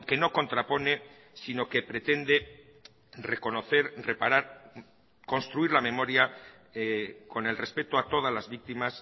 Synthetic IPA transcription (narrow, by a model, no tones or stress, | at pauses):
ke̞no̞ko̞nt̪ɾapo̞ne̞ | sino̞ke̞pɾe̞t̪e̞nd̪e | re̞ko̞no̞θe̞ɾre̞paɾaɾ | ko̞nst̪ɾuiɾlame̞mo̞ɾja | ko̞ne̞lre̞spe̞t̪oat̪o̞ð̞azlazβik̚t̪imas